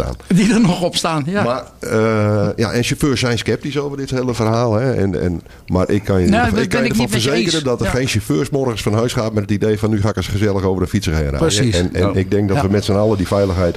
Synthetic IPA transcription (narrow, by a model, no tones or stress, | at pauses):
ta̰ːndidənɔxɔpstaːnmarəja̰ʔɛnsoføːsɛjnskɛp̚tisoːvərdɪthelˠəfərɦaːlˠɦɛɛ̰nɛ̰n | marʔɪkʰːanəɪkːnədəfɔnfərzeːkəɾədɔtərxeːnsɔføːsmɔrɣənsfɔnɦœɥsχaːtmɛtətideːfɔnːyxaːɪkəsχəzɛlˠəxoːvərdəfitsərɪ̰ŋəra̰ənɛ̰nɪkɡ̚dɛŋk̚dɔtʋəmɛtsənɔlˠədifɛjlˠəxɦɛjt